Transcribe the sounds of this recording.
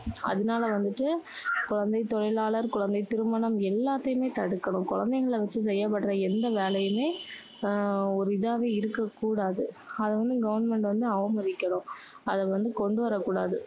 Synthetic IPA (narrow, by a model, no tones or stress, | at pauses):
ʔɐ̰ðɯnaːlɐʋɐnd̪ɯʈːɯkʊɻɐnd̪ɐɪt̪ːɔɻɐɪlaːɭɐɾkʊɻɐnd̪ɐɪt̪ɪɾɯmɐnɐmɛlːaːt̪ːɐjɯmeːt̪ɐɽɯkːɐɳʊ̃mkʊɻɐnd̪ɐɪɣɐɭʋɐt͡ʃːɯsɛjːɐpːɐʈːɾɐɛnd̪ɐʋeːɭɐjɯmeː | ɔɾɯɪðaːʋeːɪɾɯkːɐkːuːɽaːðɯ | ɐðɐʋɐnd̪ɯɡɐʋɐnmɛɳʈʋɐnd̪ɯɐʋɐmɐðɪkːɐɳʊ̃ | ɐðɐʋɐnd̪ɯkɔɳɖɯʋɐɾɐkːuːɽaːðɯ